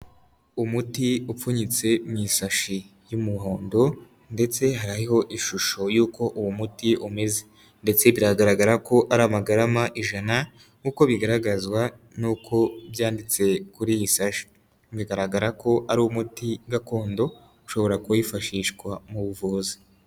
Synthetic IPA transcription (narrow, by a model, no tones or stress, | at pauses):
umutiufuɲit͡se̞mŋisaʃi | jumuho̞ːndo̞ | nde̞t͡se̞ɦaɾaiɦo̞ʔiʃuʃo̞juːko̞ʔuwumutiʔume̞ze̥ | nde̞t͡se̞βiɾaɡaɾaɡaɾako̞ʔaɾaːmaɡaɾamaʔiʒana | kuko̞βiɡaɾaɡazwa | nuːkʰo̞βjaːndit͡se̞kuɾijisaʃi̥ | βiɡaɾaɡaɾako̞ʔaɾumutiɡako̞ːndo̞ | uʃo̞βo̞ɾakujifaʃiːʃkwamuβuvuzi̥